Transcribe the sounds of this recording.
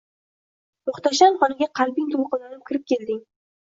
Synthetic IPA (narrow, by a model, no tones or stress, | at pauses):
mʊχt̪aʃanχɒnɪɡʲaqʰɑlˠbɪŋt̪ʰʊlˠqɨlanɪp̚kʲɪɾɪp̚kʲʰe̞ld̪ɪŋ